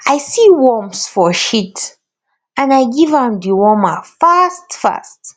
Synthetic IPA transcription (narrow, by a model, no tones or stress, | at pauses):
aɪsiwɔmsfɔʃit | ãnaɪɡivə̃mdiwɔmafastfa̰st